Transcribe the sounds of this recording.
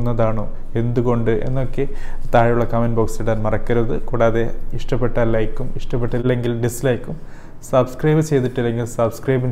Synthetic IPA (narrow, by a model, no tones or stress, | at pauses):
nːɐðaːɳoː | e̞nd̪uɣo̞ɳɖɨe̞̰nːo̞kːe̞ | t̪aːɻijuɭːɐkɐmɐnboːksiɽaːnmɐrɐkːɐɾɐðɨkuːɽaːðe̞iʂʈɐpːe̞ʈːaːlɐjkːumiʂʈɐpːeʈːɐlːeŋɡilɖislɐjkːum | sɐbskrɐjbɨt͡ɕe̞jt̪iʈːɐlːe̞ŋɡilsɐbskrɐjbi